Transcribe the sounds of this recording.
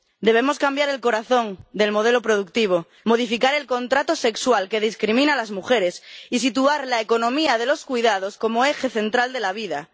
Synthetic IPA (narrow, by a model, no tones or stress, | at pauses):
d̪e̞βe̞mo̞skambjaɾe̞lko̞ɾaθõ̞ŋd̪e̞lmo̞ð̞e̞lopɾoð̞uk̚t̪iβ̞o̞ | mo̞ð̞ifikaɾe̞lkõ̞nt̪ɾat̪ose̞kswalke̞ð̞iskɾimĩnalazmuxe̞ɾe̞sis̬it̪uaɾlaeko̞nõmiaðe̞lo̞skwuijðað̞o̞sko̞moexe̞θe̞nt̪ɾald̪elaβiða̰